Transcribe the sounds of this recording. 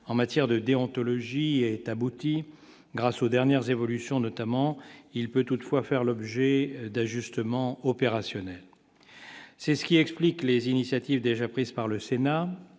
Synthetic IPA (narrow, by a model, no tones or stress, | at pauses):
ɑ̃mat̪jɛʁd̪əd̪eɔ̃t̪ɔlɔʒiɛt̪abut̪i | ɡʁasod̪ɛʁnjɛʁzevɔlysjɔ̃nɔt̪amɑ̃ilpøt̪ut̪fwafɛʁlɔbʒɛd̪aʒyst̪əmɑ̃ɔpeʁasjɔnɛl | sɛsə̥kʲiɛkspliklezinisjat̪ivd̪eʒapχizpaʁləsena